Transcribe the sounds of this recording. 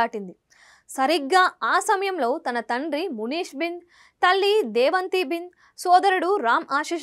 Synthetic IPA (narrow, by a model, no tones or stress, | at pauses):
aːʈind̪i | sɐɾiɡːaːaːsɐmɐjɐmlo̞ːt̪ɐnɐt̪ɐɳɖɾimuniːʂbin | t̪ɐlːid̪ɛːʋɐnt̪ibin | sɔːd̪ɐɾɐɽuɾaːmaːʃiːʃ